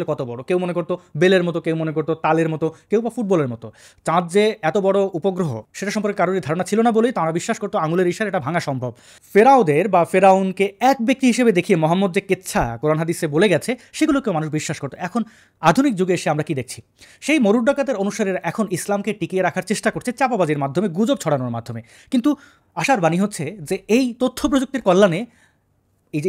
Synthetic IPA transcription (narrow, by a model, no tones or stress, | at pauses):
lekɔt̪obɔɽokewmonekoɾt̪obeleɾmɔt̪okewmonekoɾt̪ot̪aleɾmɔt̪okewbafuʈ̚bɔleɾmɔt̪o | t͡ɕãd͡ʑd͡ʑeɛt̪obɔɽoupoɡɾoɦo̰ʃeʈaʃɔmp̬oɾkekaɾonid̪ʱaɾonat͡ɕʰilonabolejt̪aɾabiʃːaʃkoɾt̪oaŋuleɾiʃaɾeʈabʱaŋaʃɔmbʱob | feɾaud̪eɾbafeɾaunkeɛk̚bek̚t̪iɦiʃebed̪ekʰiemɔɦamːod̪̚d͡ʑeket̪ːɕʰakoɾanaɦad̪iseboleɡɛt͡ɕʰeʃeɡulokewmanuʃbiʃːaʃkoɾt̪oɛkʰon | ad̪ʱunik̚d͡ʑuɡeeʃeamɾakid̪ek̚ʰt͡ɕʰi̥ | ʃejmoɾuɖɖakat̪eɾonuʃaɾeɾʔɛkʰonislamkeʈikieɾakʰaɾt͡ɕeʃʈakoɾt͡ɕʰet͡ɕapabad͡ʑiɾmad̪ʱomeɡud͡ʑob̚t͡ɕʰɔɽanoɾmad̪ʱːome | kint̪u | aʃaɾbaniɦotːɕʰed͡ʑeejt̪ot̪ʰːop̬ɾod͡ʑok̚t̪eɾkɔlːane | e